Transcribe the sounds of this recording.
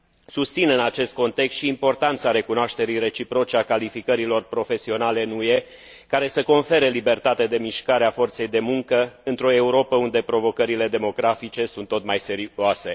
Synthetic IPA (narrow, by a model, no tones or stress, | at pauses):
sust̪sinɨnat͡ʃe̞st̪̚ko̞nt̪e̞kst̪ʃiːmpo̞rt̪ant̪saɾe̞kunoaʃt̪e̞ɾijre̞t͡ʃipɾo̞t͡ʃeakalifikəɾilo̞rpɾo̞fe̞sio̞nale̞nuje̞ | kaɾe̞səko̞nfe̞ɾelibe̞rt̪at̪ed̪e̞miʃkaɾeafo̞rt̪se̞jd̪e̞muŋkəɨnt̪ɾo̞e̞uɾo̞pəund̪e̞pɾo̞vo̞kəɾile̞d̪e̞mo̞ɡɾafit͡ʃe̞sunt̪ːo̞t̪majse̞ɾiase̞